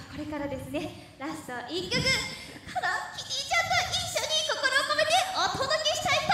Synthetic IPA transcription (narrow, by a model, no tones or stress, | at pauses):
ko̞ɾe̞kaɾad̪e̞sɨne̞ | ɾasoʔikːɯkɯ | k̪ʰad̪akʲiɲʲit͡ɕãnt̪oiɕːoɲ̟ːiko̞ko̞ɾoːko̞me̞t̪e̞ot̪od̪o̞kʲeɕi̥t̪ait̪ːa